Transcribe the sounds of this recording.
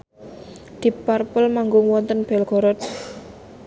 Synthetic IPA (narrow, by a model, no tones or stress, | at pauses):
d̪̥i̤parpəlmaŋɡʊŋwɔnt̪ənb̥ɛlɡ̥ɔ̤ɾɔt̪̚